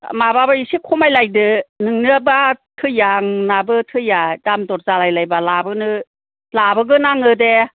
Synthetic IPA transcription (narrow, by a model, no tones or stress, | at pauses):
mababaisikʰumajlajdɯnɯŋnɯabatʰɯjaŋnabɯtʰɯjadamdɔt̚zalajlajbalabɯnɯ | labɯɡɯnaŋɯde